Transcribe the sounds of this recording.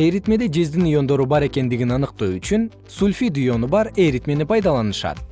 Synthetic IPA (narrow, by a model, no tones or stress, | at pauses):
eɾit̪me̞d̪ed͡ʒezd̪inujo̞nd̪o̞ɾubɑɾe̞ke̞nd̪iɡʲinɑnɯq̚t̪oyt͡ʃyn | sulʲfid̪ujo̞nubɑɾe̞ɾit̪me̞nepʰɑjd̪ɑlˠɑnɯʃɑ̰t̪